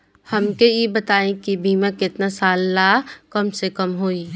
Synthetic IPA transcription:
hɐmkejebɐt̪aːẽkibʱiːmãkɪt̪nasaːlːaːkɐmsekɐmɦoːiː

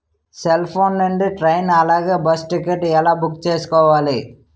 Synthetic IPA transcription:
selpʰoːnːɐɳɖiʈɾɐjnɐlaːɡeːbɐsʈikeʈːɛlaːbukt͡ʃeːsu̥kɔːʋaːli

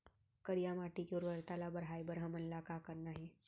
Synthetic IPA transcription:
kəɾjamaʈiːkjoɾʋəɾt̪alabəɾɦajbəɾɦəmənlakakəɾnaɦi

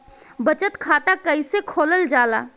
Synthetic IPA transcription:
bət͡ʃət̪kʰaːt̪akəisekʰoːləld͡ʒaːla̰ː

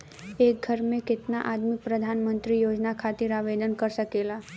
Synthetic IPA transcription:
ek̚ɡʱəɾmẽkɪt̪naʔad̪mik̚pɾəd̪ʱanmənt̪ɾijod͡ʒnakʰat̪iɾaʋed̪ənkəɾsəkela

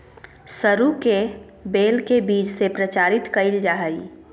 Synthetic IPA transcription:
səɾuke | beːlkebiːd͡ʒsepɾət͡ʃaːɾɪt̪kəɪld͡ʒaːɦəi

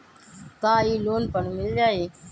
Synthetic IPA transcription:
t̪ãːiːloːnpəɳmɪld͡ʒaːɦeː

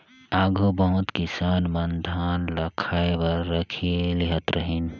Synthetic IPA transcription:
aɡʱobəɦʊ̃t̪kisaːnmənd̪ʱaːnləkʰaebəɾːəkʰieliɦət̪ɾəɦin

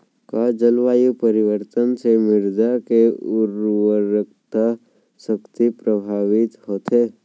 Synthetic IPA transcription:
kad͡ʒəlʋaːjupəɾɪʋəɾt̪ənsemɪɾd̪akeʊɾwəɾəkt̪ʰə | səkt̪ipɾəbʱaːʋɪt̪hoːt̪eː

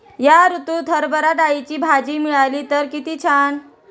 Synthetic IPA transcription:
jaɾut̪uːt̪ʰəɾbəɾaʈajt͡ɕiːbʱad͡ʑiːmiɭaliːt̪əɾkit̪iːt͡ɕʰaɳ

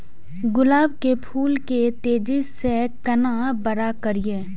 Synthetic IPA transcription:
ɡʊlaːbkepʰuːlket̪eːd͡ʒɪsekɐnabəɾakəɾijeː

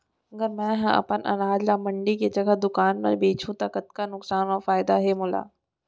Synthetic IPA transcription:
ɐɡəɾmɛ̃ːɦɛ̃ɐ̰pənʔɐ̰naːd͡ʒlamɐ̃ɳɖiked͡ʒɐɡəd̪ʊkaːnmḛɾbeːt͡ʃʰũt̪akət̪kanʊksaːnʋafaːɪd̪aɦemʊla̰ː

